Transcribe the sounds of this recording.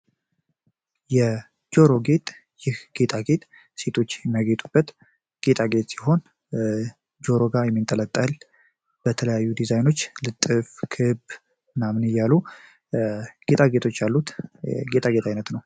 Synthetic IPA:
jɛ | d͡ʒo̞ɾo̞ɡe̞t̪ʼ | jɪhɡ̥e̞t̪ʰʼaɡe̞t̪ʼ | se̞t̪ʰo̞t͡ʃːjɛmːəɡe̞t̪ʼub̥ːət̪ | ɡ̥e̞t̪ʰʼaɡe̞t̪ʼsiɦo̞n | d͡ʒo̞ɾo̞ɡajɛmːɨnt̪ʼələt̪ʼːəl | b̥ət̪ʰələjajːud̪izajno̞t͡ʃːlɨt̪ʼːɨfkʰɨb | namnɨjalu | ɡ̥e̞t̪ʼaɡe̞t̪ʰo̞t͡ʃːalːut̪ɡe̞t̪ʰʼaɡe̞t̪ʰajnət̪nəw

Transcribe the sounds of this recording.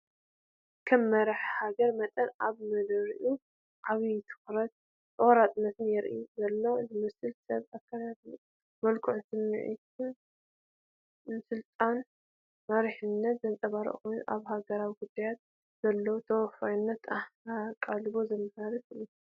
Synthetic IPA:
kʰɐmːɐɾaħhaɡɐɾmɐt̪ʼɐnaβmɨlɨɾʔu | ʔaβit̪ʰɨ̥xɾɐt̪̚ | ɨwɐɾat̪ʼɨnɐt̪ʰɨnjɛɾʔizɐlːozɨmɐsɨlsɐβakʰːaladu | mɐlkʰuʕsɨmːḭʕḭt | sɨlt̪ʼan | mɐɾħɨnːɐt̪zɐnt͡s̪ʼɐβaɾɐ̰ʔkojnʔaβhaɡɐɾawɡud̪ajat̪̚ | z̥ɐlːot̪ʰɐwfajnːɐt̪aakʼalɨβozɐmhɐɾifɨlu

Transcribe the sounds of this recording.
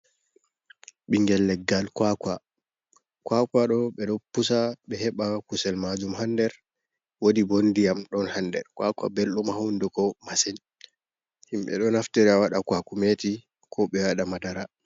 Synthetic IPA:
ɓiŋɡɛlːɛɡːalkwakwa | kwakwaɗɔɓɛɗɔpːusaɓɛhɛɓakusɛlmad͡ʒumhandɛɾ | wodibondijamɗɔnhandɛ̰ɾkwakwa̰belɗumhawndɛkɔmasɛn | himɓɛ̰ɗɔnaftɛɾɛawaɗakuakumeti | kʰɔɓɛwaɗamadaɾa

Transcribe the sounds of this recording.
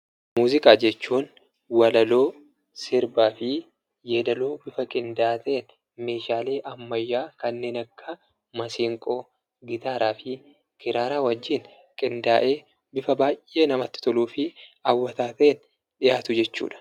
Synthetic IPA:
muːzɪkʼaːd͡ʒɛt͡ʃːuːn | wɐlɐlo̞ː | sɪɾbaːfɪ | jeːd̪ɐloːbɪfɐkʼɪnd̪aːt̪ɐʔeːn | me̞ːʃaːle̞ːʔɐmːɐjːaːkɐnːe̞ːnɐkːɐ | mɐsiːŋkʼo̞ː | ɡɪt̪aːɾaːfɪ | kɪɾaːɾaːwɐd͡ʒːiːn | kʼɪnd̪aːʔe̞ː | bɪfɐbaːjʔe̞ːnɐmɐt̪ːɪ̥t̪ɔluːfɪɐwːɐt̪aːt̪ɐeːn | ᶑɪjaːt̪ʊd͡ʒɛt͡ʃːṵːᶑɐ̥

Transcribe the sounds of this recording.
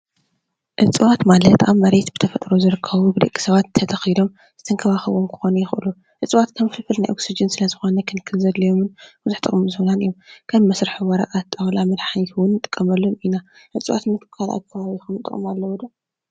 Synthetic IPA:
ʔɨt͡sʼɨwat̪malɐt̪ːʔamːɐɾet̪bɨt̪ʰɐfɐt̪ʼɾozɨɾɨkʰːɐβubɨd̪ɐ̰kʲʼːi̥sɐβat̪ʰːɐt̪ʰɐxid̪o̞m | z̥ɨt̪ʰɐŋkʰɐβaxɨβomkʰɨ̥xo̞nujɪxʔɨ̰lu | ʔɨt͡sʼwat̪kʰɐmfɨlfɨlnajʔo̞ksid͡ʒɨnsɨlɐzɨxonɐkʰɨnkʰɨzɐd̪lɐjo̞mɨnb̥uzuħt̪ʼɨχʼmɨzɨhonanɨjomkʰɐβmɐsɾɨħuwɐɾɐ̰ʔʼat̪ʼːawlamɐd̪ħaniwʊnːt̪ʼɨ̥kʼːɐmɐlːomina | ʔɨt͡sʼɨwʔa̰t̪mɨkʰɨ̥kʰːala̰kʰːɐβaβixɐmt̪ʼɨ̰χʼmalːɐwod̪ɐ

